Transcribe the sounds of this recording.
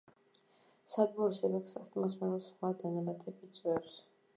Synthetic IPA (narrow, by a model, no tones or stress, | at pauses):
sad̪̚bɔɾisɛbɛksast̪ʼmasmɛɾɔsχwad̪anɛmat̪ʼʰɛbit̪sʼwɛɾs